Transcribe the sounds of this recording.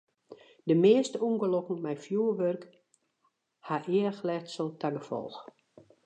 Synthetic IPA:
dəmeəstəuŋɡəlokŋ̩mɛjfjuːəʋørk | haʔɪəəxlɛtsəlˠtʰaɡəfɔ̰lˠx

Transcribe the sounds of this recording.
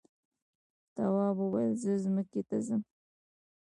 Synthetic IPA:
t̪awɑbəwajəlzəzməket̪azəm

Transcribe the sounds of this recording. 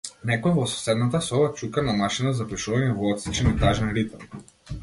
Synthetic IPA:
nɛkɔɛvɔsɔ̥sɛd̪nat̪asɔbat͡ʃukanamaʃinazapɾɛʃuvaɲɛvɔɔt̪sit͡ʃɛnɛt̪aʒɛnɾit̪am

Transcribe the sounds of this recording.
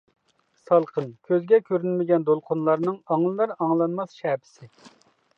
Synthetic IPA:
sɑlˠqʰənkʲʰøzɡʲɛkʲʰøɾynmɪɡʲɛnd̪olˠqʰʊnlˠɑɾnɨŋɑŋlˠɨlˠɑɾɑŋlˠɑnmɑsʃɛːpʰɪ̥sɪ

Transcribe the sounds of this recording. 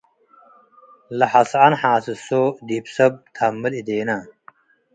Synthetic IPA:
lɐħasanħaːsisod̪ipsɐb̚t̪ʰamːəlid̪eːna

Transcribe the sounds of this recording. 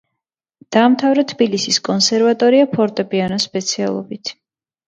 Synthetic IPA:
d̪̥aːmt̪ʰavɾɛt̪ʰbilisiskʼɔnsɛɾvat̪ʼɔɾiapʰɔɾt̪ʼɛpʼianɔspʼɛt̪sʰia̰lˠɔ̰bit̪ʰ

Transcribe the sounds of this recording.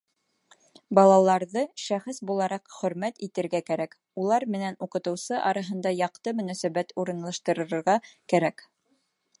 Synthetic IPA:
bɑlˠɑlˠɑɾðɤʃæχɘsbulˠɑɾɑqχɵ̆ɾmæt̪it̪ɘ̆ɾɡækæɾæk | ulˠɑɾmɘ̆nænuqɤ̆t̪ɤ̆wsɤʔɑɾɑɦɤ̆nd̪ɑjɑqt̪ɤmɵ̆næsæβæt̪uɾɤ̆nlˠɑʃt̪ɤ̆ɾɤ̆ɾɤ̆ɾʁɑkæɾæk

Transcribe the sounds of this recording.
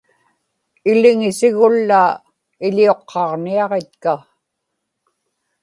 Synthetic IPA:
ɪlɪŋɪsɪɣʊlːa | ɪʎio̞qʰːɑʁniɑʁe̞t̪ka

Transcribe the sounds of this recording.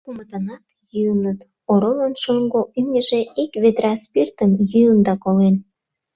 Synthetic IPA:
kumət̪ɑnɑt̪jyənət̪ | oɾolənʃoŋɡoʔymnʲə̆ʒeʔikβed̪ɾɑspirt̪əmjyənd̪ɑkolen

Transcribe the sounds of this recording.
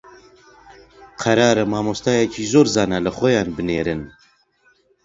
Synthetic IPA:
qʰɐɾɑːɾɨmɑːmost̪aːjɛcʰiːzoːɾzɑːnɛlɨxʷɔjɑːnbɨneːɾɨn

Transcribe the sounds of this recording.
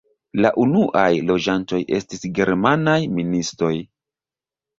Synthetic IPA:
laʔunuʔajlo̞d͡ʒanto̞jʔe̞̰stisɡe̞ɾmanajministɾo̞j

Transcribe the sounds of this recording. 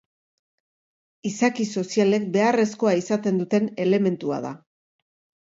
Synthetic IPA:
isakiso̞siale̞k̚be̞are̞sko̞aisat̪e̞nd̪ut̪e̞ne̞le̞me̞nt̪ua̰ða̰

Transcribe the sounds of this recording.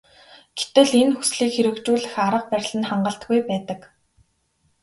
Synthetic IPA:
ɡ̥e̥t̪ɘ̆ɮenxu̥sɮiːkxeɾɘ̆kt͡ɕuːɮɘ̆xaɾə̆q̚pæɾʲɮɘ̆nχaɴɢə̆ɬt̪ɡujpæːt̪ə̆k

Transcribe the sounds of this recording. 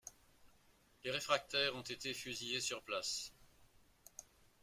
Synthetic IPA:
leʁefχak̚t̪ɛʁɔ̃t̪et̪efyzijesyʁplas

